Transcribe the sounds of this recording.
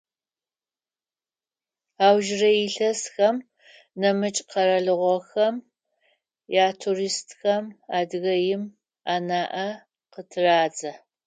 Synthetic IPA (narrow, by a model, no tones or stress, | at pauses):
aːwʒɪrɐjɪɬɐsxɐm | nɐmɨt͡ʃʼqɐɾɐɮɨʁʷɔxɐm | jaːtʰuriːstʰxɐmaːdɨɣɐjɪm | aːnaːʔɐ | qətʰɨraːd͡zɐ